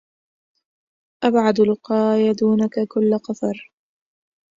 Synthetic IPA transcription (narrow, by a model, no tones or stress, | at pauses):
ʔabʕad̪lʊqɑːjad̪uːnakakʊlːaqɑt̪ɑɾˤ